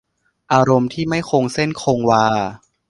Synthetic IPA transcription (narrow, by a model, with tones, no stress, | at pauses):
ʔaː˧ɾo˧mt̪ʰiː˥˩ma˥˩jkʰoː˧ŋse˥˩nkʰoː˧ŋwaː˧